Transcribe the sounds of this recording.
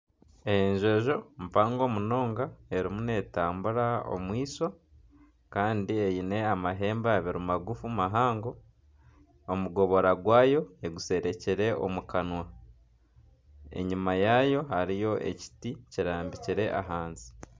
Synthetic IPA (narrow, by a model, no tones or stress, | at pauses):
ejeɲʒe̞ːʒo̞mpaːŋɡo̞ːmuno̞ːŋɡae̞ɾimune̞ːtaːmbuɾao̰mwiːso̞ | kaːndiejine̞amaɦe̞ːmbaβiɾumaɡufumaɦaːŋɡo̞ | muɡo̞βo̞ɾaɡwaːjo̞eɡuse̞ɾe̞ciɾe̞o̞̰mukanwa | e̞̰ɲumajaːjo̞haɾijo̞ʔe̞̰ci̥ticiɾaːmbiciɾe̞ʔa̰ɦaːnzi̥